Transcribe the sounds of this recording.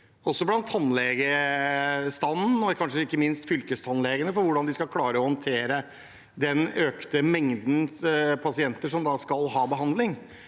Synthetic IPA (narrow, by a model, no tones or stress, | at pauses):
ɔsːɔblɑnt̪ʰɑnlɛɡə | st̪ɑnn̩ɔkʰɑnʂəɪkːəmɪnst̪fʏlkəst̪ʰɑnlɛɡənəfɔɾʋʊɖɑnd̪ɪskɑlkʰlɑːɾəɔhɑnt̪ʰeːɾə | d̪ɛnøːkt̪əmɛŋd̪n̩pʰɑsɪɛnt̪əʂɔmd̪ɑskɑlɦɑːbəɦɑnd̪lɪŋ